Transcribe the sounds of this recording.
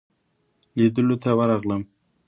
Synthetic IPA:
lid̪əlot̪ʰawəɾɑɣləm

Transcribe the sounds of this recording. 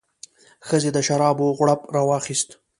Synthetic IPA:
xəzed̪əʃaɾɑboɣʷɽapɾɑwɑxist̪

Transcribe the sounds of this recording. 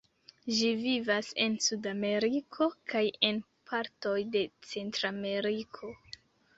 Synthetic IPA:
ʒivivase̞nsudame̞ɾikʰo̞kaje̞n | pʰaɾto̞jde̞t͡se̞ntɾame̞ɾikʰo̞

